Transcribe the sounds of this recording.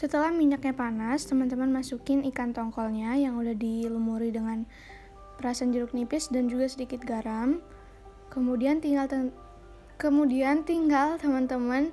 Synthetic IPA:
sət̪əlahmiɲak̚ɲapanast̪əmant̪əmanmasukɪnikant̪ɔŋkɔlɲajaŋudahdilumuɾidəŋan | pəɾasand͡ʒuɾʊk̚nipɪsdand͡ʒuɡasədikɪt̪̚ɡaɾam | kəmudiant̪iɡal | kəmudiant̪iŋɡalt̪əmant̪əman

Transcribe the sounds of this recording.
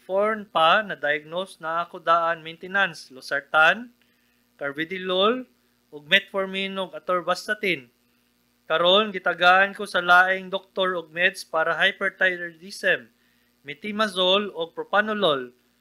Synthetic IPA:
foɹnpanɐd̪ɐjɐɡ̚nosnɐŋakod̪aːʔɐnmejnt̪ɛnanslosɐɹt̪an | kɐɹbɪd̪ɪlol | ʔoɡ̚mɛt̪̚foɹminoɡɐt̪oɹbast̪ɐt̪ɪn | kɐɾo̞nɡɪt̪ɐɡaːʔɐnkosɐlaːʔɪŋd̪ok̚t̪oɹoɡ̚mɛd̪spaːɾɐɦajpɛɹt̪ajɛd̪isɛmː | ɪt̪imɐsoloɡ̚pɾopanolol

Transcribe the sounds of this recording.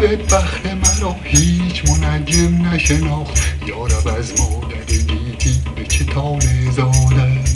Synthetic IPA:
bebæχemæɾɒːhiːt͡ʃʰmonæd͡ʒemnæʃenɒːχt̪jɒːɾævæzmɒːd̪æɾed̪iːd͡ʒibet͡ʃʰet̪ʰɒːnezɒːd̪æ

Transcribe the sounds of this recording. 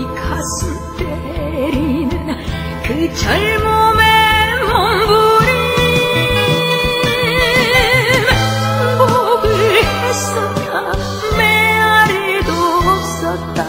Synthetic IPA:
ikʰasu | te | ɾinɯn | kɯt͡ɕʌɭmomemoŋbuɾi | oɡɯɭesʌt̚k̪͈a | meaɾed̪op̚s͈ʌt̚t̪͈a

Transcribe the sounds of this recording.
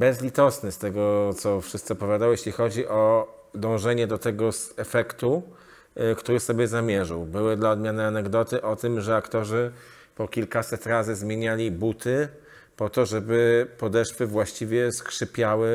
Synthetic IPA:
bɛzlʲit̪ɔsnɘst̪ɛɡɔt̪sɔfʂɘst̪sɛpɔvʲjad̪awjeɕlʲixɔd͡ʑiʔɔ | d̪ɔ̃w̃ʐɛɲɛd̪ɔt̪ɛɡɔsɛfɛkt̪u | kt̪uɾɘsɔbʲjɛzamʲjɛʐawbɘwɘd̪laɔd̪mʲjanɘanɛɡd̪ɔt̪ɘʔɔt̪ɘmʐɛakt̪ɔʐɘ | pɔkʲilkasɛt̪ɾazɘzmʲjeɲalʲibut̪ʰɘ | pɔt̪ɔʐɛbɘpɔd̪ɛʂfɘvwaɕt͡ɕivʲjɛskʂɘpʲjawɘ

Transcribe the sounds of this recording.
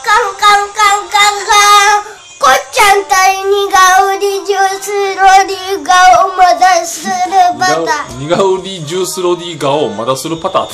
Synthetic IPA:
kaŋkaŋkaŋkaŋɡa | kot͡ʃant̪ainiɡauɾid͡ʒusɨɾodiɡaomad̪asɨɾɯpat̪aɲʲiɡaɯɾid͡ʒuːsɨɾodʲiɡaomad̪asɨɾɯpat̪a̰ː

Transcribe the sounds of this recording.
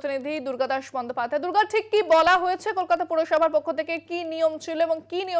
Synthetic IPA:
t̪inid̪ʱid̪uɾɡad̪aʃbɔnd̪ʱopad̪ʱaed̪uɾɡad̪̚ʈʰikːibɔlaɦojet͡ɕʰekolkat̪apuɾoʃɔbʱaɾpokʰːot̪ʰekekinijomt͡ɕʰiloeboŋkinio

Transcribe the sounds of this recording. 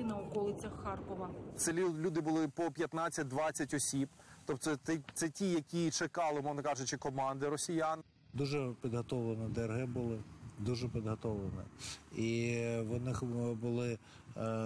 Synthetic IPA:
nɐʊkɔlˠɪt͡sʲɐxːɑrkɔʋɐt̪sɛlʲud̪ɪbʊlˠɪpɔpʲjɐt̪nɑt͡sʲːɐt̚ʲd̪ʋɑt͡sʲːɐtʲɔsʲib̥t̪ɔpt̪ɛɛt̪sɛtʲijɐkʲit͡ʃekɑlˠɪmɔʒnɐkɑʒʊt͡ʃɪkɔmɑnd̪ɪɾɔsʲijan | d̪uʒɛpʲid̪ɦɔt̪ɔʋlˠenɛd̪ɛrɦɪbʊlˠɪd̪uʒɛpʲid̪ɦɔt̪ɔʋlˠenɛ̰iʋɔnɪxbʊlˠɪ

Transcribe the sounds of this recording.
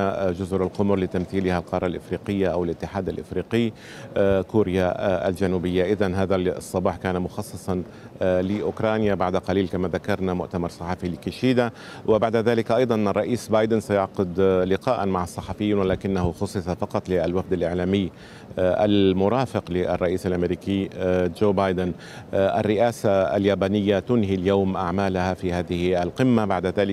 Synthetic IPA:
d͡ʒʊzʊɾalqʊmʊɾlɪt̪amθiːlɪhalqɑɾˤɑlʔɪfɾiːqɪjːaʔawɪlʔɪt̪ːɪħaːd̪alʔɪ̰fɾiːqɪj | kuːɾɪjaa̰ld͡ʒanuːbɪjːaʔɪðanɦaːðasˤːɑbɑːħkaːnamʊxɑsˤːɨsˤɑn | lɪʔʊkɾˤɑːnjabaʕd̪aqɑliːlkamaðakɑɾˤnamʊʔt̪amɑɾˤsˤɑħɑfilɪkɪʃiːd̪a | wɪbaʕd̪aðaːlɪkʔɑjd̪ˤɑnɑrˤːɑʔiːsbɑːjd̪ɪnsajɑʕqʊd̪lɪqaːʔanmaʕɑsˤːɑħɑfɪjːiːnwalaːkɪnːaɦʊxʊsˤːɨsɑfɑqɑt̪ˤlɪalwafd̪alʔɪʕlaːmɪjː | ʔa̰lmʊɾˤɑːfɪqlɪʔɑ̰rˤːɑʔiːsalʔamɾiːkid͡ʒoːbajd̪ɪn | ʔa̰rːɪʔaːsaa̰ljaːbaːnɪjːat̪ʊnɦiljaːmʔaʕmaːlahafiːhaːðɪhalqɪmːabaʕd̪aðaːlɪk

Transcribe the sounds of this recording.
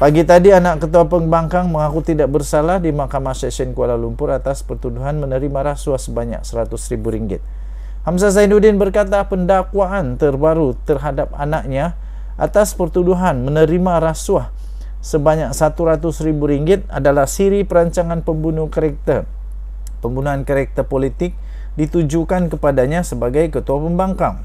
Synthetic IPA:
paɡit̪adianaʔkːət̪uapəŋbaŋkaŋməŋakut̪idaʔ̚bərsalahdimahkamasɛsɛnkualalumpʊɾat̪aspərt̪uduɦanmənəɾimaɾasuahsəbaɲa̰k̚səɾat̪ʊsɾibuɾiŋɡɪ̰t̪̚ | hams̬azainudɪnbərkat̪apəndakwaʔːnt̪ərbaɾut̪ərɦadap̚a̰nak̚ɲa | ʔa̰t̪aspərt̪uduɦanmənəɾimaɾasuah | səbaɲak̚sat̪uɾat̪ʊsɾibuɾiŋɡɪt̪̚a̰dalahsiɾipəɾaɲt͡ʃaŋanpəmbunukaɾɛk̚t̪ə | pəmbunuankaɾɛk̚t̪əpolit̪ɪk̚ | dit̪ud͡ʒukankəpadaɲasəbaɡajkət̪uapəmbaŋkaŋ

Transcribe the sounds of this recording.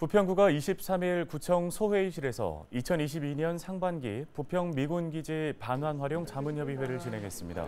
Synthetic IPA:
pupʰjʌŋɡuɡaiɕʰip̚s͈amiɭkut͡ɕʰʌŋsʰoɸe̞iɕʰiɾe̞sʰʌ̰it͡ɕʰʌniɕ̬ʰibiɲʌnsʰaŋbanɡḭpupʰjʌŋmiɡunɡid͡ʑipanɦwanɸwaɾjoŋt͡ɕamɯnjʌbiwe̞ɾɯɭt͡ɕinɦe̞ŋɦe̞s͈ɯmɲḭda̰

